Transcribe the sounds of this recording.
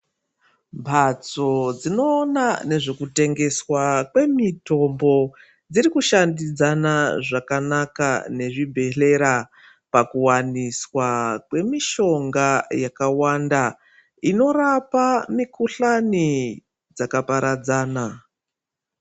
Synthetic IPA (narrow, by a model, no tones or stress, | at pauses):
mbʱat͡so̞d͡zino̞ːnane̞ʐekute̞ŋɡe̞swakwe̞mito̞mbo̞ | d͡ziɾikuʃandid͡zanaʐakanaka̰ne̞ʐibʱe̞ɬe̞ɾa | pakuwaniswakwe̞miʃo̞ŋɡajakawanda | ino̞rapamikuɬani | d͡zakapaɾad͡zaːna